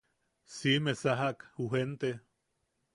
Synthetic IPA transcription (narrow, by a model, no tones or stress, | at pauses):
simesaɦaʔkhuɦent̪e